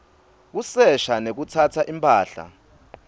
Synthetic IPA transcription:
k̬usɛʃanek̬utʰatʰaʔimpʼaːɬa̰

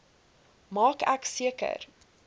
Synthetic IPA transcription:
mɑːkæksiəkə̰r

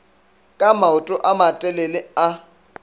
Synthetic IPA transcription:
kʼamaʊtʼʊʔamatʼɛlɛlɪa

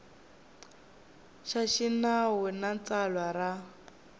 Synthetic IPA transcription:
ʃaʃinawɛnat͡salwara

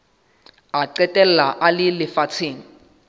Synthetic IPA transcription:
aǀɛtʼɛlɛlaʔalɪlɪfat͡sʰeːŋ̩

